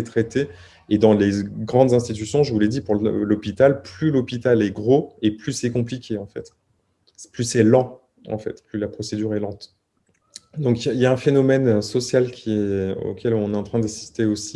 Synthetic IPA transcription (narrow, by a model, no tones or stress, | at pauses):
et̪χet̪e | ed̪ɑ̃leɡʁɑ̃d̪zɛ̃st̪it̪ysjɔ̃ʒəvulɛd̪ipuʁlɔpit̪alplylɔpit̪alɛɡʁoeplysɛkɔ̃plikʲeɑ̃fɛ̰t̪ | plysɛlɑ̃ | ɑ̰̃fɛ̰t̪plylapχɔsed̪yʁɛlɑ̃t̪ | d̪ɔ̃kailjaɛ̃fenɔmɛnøsɔsjalkʲiɛo̰kʲɛlɔ̃nɛɑ̃t̪χɛ̃d̪asi̥st̪eosi